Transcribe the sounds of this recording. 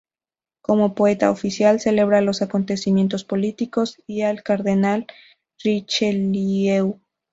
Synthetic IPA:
ko̞mo̞po̞e̞t̪a̰ofisjalse̞le̞β̞ɾalo̞sako̞nt̪e̞simje̞nt̪o̞spo̞lit̪iko̞sialkaɾðe̞nal | rit͡ʃeliew

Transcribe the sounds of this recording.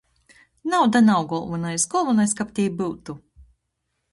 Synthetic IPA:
nawd̪anawɡɔlˠvɔnajsɡɔlˠvɔnajskap̚t̪ʲijbɨwt̪u

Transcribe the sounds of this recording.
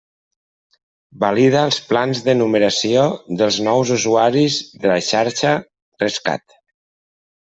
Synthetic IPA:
balið̞əlˠsplanzðənuməɾəsioðəlˠznɔwzuzuaɾizðəlaʃaɾʃə | rəska̰t̪

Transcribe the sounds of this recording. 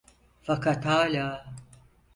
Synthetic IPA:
fɐkɐt̪ʰaːlaː

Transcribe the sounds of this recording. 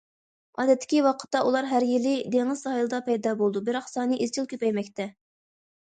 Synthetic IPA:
ɑːd̪ɛt̪ʰːɪ̥kʲiwɑqʰə̥t̪ːɑʔulˠɑɾɦæɾjilɪd̪eŋɨzsɑːjilˠɨd̪ɑpʰɛjd̪ɑbolˠd̪ubɪɾɑχsɑːnɨʔizt͡ʃʰilˠkʲʰøpɛjmɛkʲt̪ʰɛ

